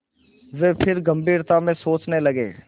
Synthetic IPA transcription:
ʋeːpʰɪɾɡə̃mbiːɾt̪amẽsoːt͡ʃnelɐɡḛː

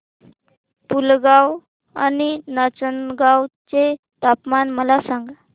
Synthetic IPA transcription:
pulɡaw | a̰ninət͡sənɡawt͡se | t̪apmanməlasãŋɡa

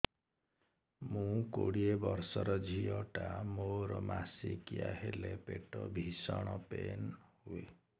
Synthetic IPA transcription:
mũkoɽiebɔɾsɔɾɔd͡ʒʱiɔʈamoɾɔmasikijaɦelepeʈɔbʱisɔɽ̃ɔpenhue

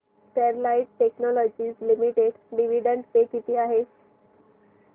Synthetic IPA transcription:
ʈeɾlaiʈ̚ʈeknɔlɔd͡ʑiːslimiʈeɽɖiʋiɖəɳʈsekit̪iːaɦe

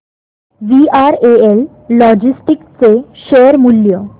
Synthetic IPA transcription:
ʋiaɾeelː | ɔd͡ʑisʈikt͡seʃeɾmulːjo

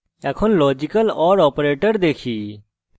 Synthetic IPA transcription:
ɛːkʰonlɔːd͡ʒɪkəlɔːɾɔːpɾeːʈəɾd̪eːkʰiː

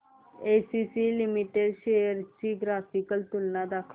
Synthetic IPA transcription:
esisilimiʈeɖʃejəɾt͡ʃiɡɾafikəlt̪ulnad̪akʰ

